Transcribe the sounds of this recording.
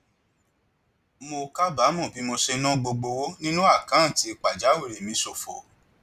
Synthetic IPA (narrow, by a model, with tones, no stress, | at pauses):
mo˧ka˦ba˨˦mɔ̃˦˨bi˨˦mo˧ʃe˧˦nũ˦ɡ͡bo˧ɡ͡bo˧wo˦nĩ˦nũ˦a˦˨kã˨˦˨ti˧˦˧k͡pa˨d͡ʒa˨˦we˦˨ɾe˨mĩ˧˦so˨fo̰˨